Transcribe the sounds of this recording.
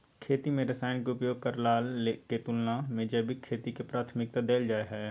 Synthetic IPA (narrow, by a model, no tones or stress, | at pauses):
kʰeːt̪imẽɾəsaːɪnkeʊpjoːɡ̚kəɾlaːleket̪ulnãmẽd͡ʒɐbʱikʰeːt̪ikepɾaːt̪ʰmɪk̚t̪ad̪eːld͡ʒaːeɦɛː